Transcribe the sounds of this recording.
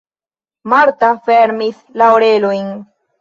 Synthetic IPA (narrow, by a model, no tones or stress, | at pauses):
maɾt̪afeɾmislawɾelojn